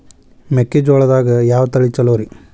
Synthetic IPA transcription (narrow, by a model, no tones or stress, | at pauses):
mekːed͡ʒoːɭɐd̪aːɡɐjaːʋɐt̪ɐɭit͡ʃɐloːɾi